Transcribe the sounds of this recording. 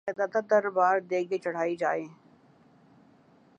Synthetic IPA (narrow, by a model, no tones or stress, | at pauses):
ad̪at̪ad̪ɐɾbaːɾd̪eːɡet͡ʃɐɽ̤aːid͡ʒa̰ːeː